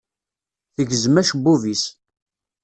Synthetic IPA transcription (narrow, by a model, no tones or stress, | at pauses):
θəʝəzmæʃbuvis